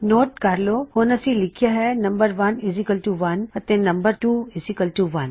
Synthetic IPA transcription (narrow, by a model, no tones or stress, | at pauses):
noːʈ̚kaːɾlohoːnasĩlɪkʰijaɦɛnɐ̃mbəɾʋɐnɪzɪkəlʈuʋɐnɐt̪ẽnːɐ̃mbəɾʈuːɪzɪkəlʈuʋɐn